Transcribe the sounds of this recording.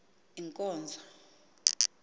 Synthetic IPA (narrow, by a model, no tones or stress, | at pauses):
iŋkʼɔːnd͡zʱa